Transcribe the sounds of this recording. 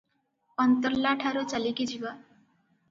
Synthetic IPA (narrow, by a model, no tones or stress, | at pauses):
pʌnt̪ʌrlaʈʰaɾut͡salikid͡ʒiwa